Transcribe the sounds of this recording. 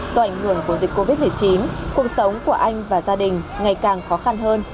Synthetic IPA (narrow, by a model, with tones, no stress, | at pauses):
zɔ˧ʔa˧˩jŋ̟hɨ˧˩əŋku˧˩zi˨˩k̚ːo˧vi˦˥t̚mɨ˨˩ə˩jt͡ɕi˨˦nku˨˩ək̚sə˨˦wŋ͡mku˧˩əʔa˧jŋ̟vaː˨˩zaː˧ɗï˨˩ŋ̟ŋa˨˩jkaː˨˩ŋxɔ˨˦xa˧nɦəː˧n